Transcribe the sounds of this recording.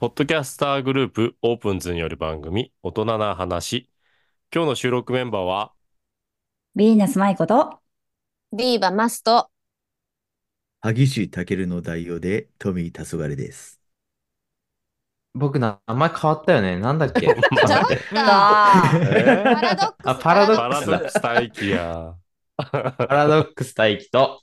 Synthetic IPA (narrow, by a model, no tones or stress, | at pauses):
po̞t̪ːo̞k̬ʲasɨ̥t̪aːɡɯ̟ɾɯ̟ːpɯ̟o̞ːpɯ̟̃nzɨɲ̟ijoɾɯ̟bã̰ŋɡɯ̟mʲio̞t̪o̞nanaɦanaɕi | kʲo̞ːno̞ɕɨːɾo̞kɯ̟mẽ̞mbaːβ̞a | bʲiʑinesɨmaiko̞t̪o | ɾʲiːbamasɨ̥t̪o | haɡʲiɕit̪ake̞ɾɯ̟no̞d̪aio̞ːd̪e̞t̪ʰo̞mʲit̪ʰasoɡaɾʲid̪e̞̰sɨ̥ | bo̞k̬ɯ̟namːaikʰaβat̪ːajo̞nenãnd̪akʲːe | apʰaɾad̪okɾat̪aikʲija̰ | paɾad̪o̞kːɯ̟sɨ̥t̪aikʲi̥t̪o